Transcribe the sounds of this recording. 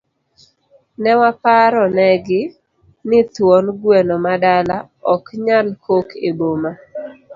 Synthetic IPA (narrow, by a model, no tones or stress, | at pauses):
nɛwapaɾɔnɛɡɪ | nɪt̪wɔnɡwɛnɔmadala | ɔkɲankʰokeboma